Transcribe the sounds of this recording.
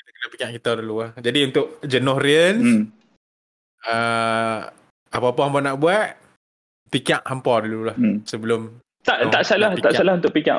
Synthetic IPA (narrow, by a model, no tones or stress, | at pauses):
kit̪akənapikaʔkit̪aduluahd͡ʒadiunt̪ʊʔ̚d͡ʒənʊhriən | ə | apapaɦampɔnaʔbuat̪̚ | pikaʔhampɔdululahsəbəlʊm | t̪aʔt̪aʔsalaht̪aʔsalahunt̪ʊʔ̚pika̰ʔ